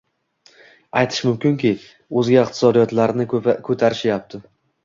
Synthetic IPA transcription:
ajt̪ʰɪ̥ʃmʊmkʲɪŋkʲɪ | ɵzɡʲaɪq̚t̪ʰɪ̥sɒd̪ijɒt̪laɾnɪkʰɵt̪ʰaɾɪʃjap̚t̪ʰɪ

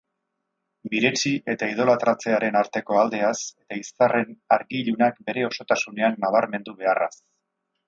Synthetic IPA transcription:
biɾet͡ʃiʔe̞t̪aið̞o̞lat̪ɾat͡se̞aɾe̞naɾt̪e̞ko̞ald̪e̞ase̞t̪aisare̞naɾɣiʎunak̚be̞ɾe̞o̞so̞t̪asune̞anːaβ̞aɾme̞nd̪uβ̞e̞ara̰s

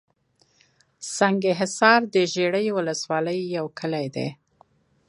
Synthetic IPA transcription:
sɑŋɡeɦɪsɑɾd̪əʒeɽəjwʊləswɑləjːawkʰəlajd̪ḛ

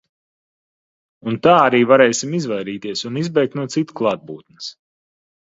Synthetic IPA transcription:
unt̪aːaɾiːvaɾɛjsimizvajɾiːt̪iɛsunizbɛjk̚t̪nuɔt̪sit̪klˠaːt̪̚buːt̪̚nɨs

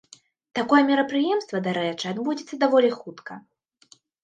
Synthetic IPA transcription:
t̪akɔjɛmʲiɾɐpɾɨjɛmst̪vɐd̪aɾɛt͡ʂɨad̪bud͡zʲit̪sːɐd̪avɔlʲixut̪kɐ

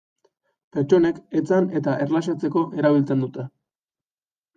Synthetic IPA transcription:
pe̞ɾt͡ʃo̞ne̞ke̞t͡sane̞t̪aʔe̞ɾlaʃ̬at͡se̞ko̞ʔe̞ɾaβilt͡se̞nd̪ut̪e

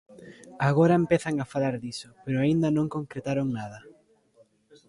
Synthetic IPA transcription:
aɣoɾɐempeθaŋafalaɾðisʊpeɾʊaind̪ɐnõŋkoŋkɾet̪aɾoŋnað̞ɐ

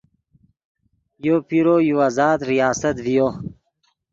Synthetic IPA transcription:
jopiɾoːjuazaːd̪ɾijaːsɐt̪vijo

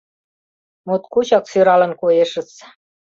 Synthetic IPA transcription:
mut̪kut͡ɕɑksyɾɑlə̆nkojeʃə̆t͡s

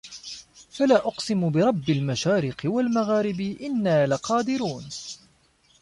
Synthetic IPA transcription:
falaːʔʊqsɪmʊbɪɾˤɑbːalmaʃaːɾɪqɨwalmaɣaːɾɪbɪʔɪnːaːlaqɑːd̪ɪɾuːn

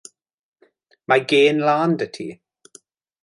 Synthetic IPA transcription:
maɡeːnlaːndətʰḭ

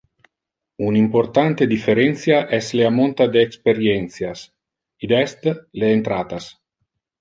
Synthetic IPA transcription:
unimport̪ant̪ed̪ifeɾɛnt̪sjaʔɛsleamont̪ad̪eːkspeɾjɛnt̪sjas | id̪ɛst̪leːnt̪ɾaːt̪as

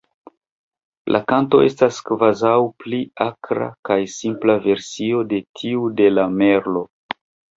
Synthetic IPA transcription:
lʔakanto̞estaskvazawpliakɾa̰kajsimplave̞ɾsio̞de̞tʰiude̞lame̞ɾlo̞

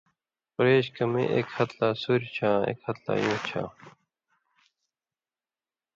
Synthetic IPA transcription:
pɾeːɕkɐmḛ̃ːʔekhɐt̪laːsuɾt͡ɕʰãːḛːkhɐt̪la̰ːjõːt͡ɕʰã̰ː

